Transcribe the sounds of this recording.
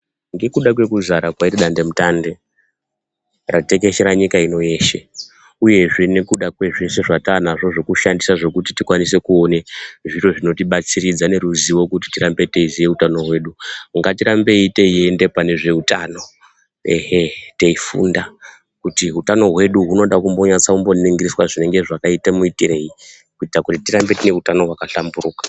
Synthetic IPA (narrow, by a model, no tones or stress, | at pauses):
ŋɡe̞kuɗak̬we̞kuzaɾakwairiɗande̞mutande̞ | rate̞ke̞ʃeɾaɲikaino̞je̞ːʃe | uje̞ʐenekuɗakwe̞ʐese̞ʐatanaʐo̞ʐo̞kuʃandisaʐo̞kutitikwanis̬e̞kuo̞neʐiro̞ʐino̞tiɓat͡sirid͡zane̞ɾuziwo̞kut̬i̥tirambe̞te̞izieutano̞ɦwe̞ːɗuŋɡatiɾambe̞ite̞ie̞nde̞pane̞ʐe̞utaːno̞ | eɦete̞ifṵnda | kutiɦutano̞ɦwe̞ɗuɦuno̞ɗakumbo̞ɲat͡saumbo̞niŋɡiriswaʐine̞ŋɡe̞ʐakaitamuitire̞ji | kuitakutitiɾambe̞tine̞utano̞ɦwakaɬamburuːkḁ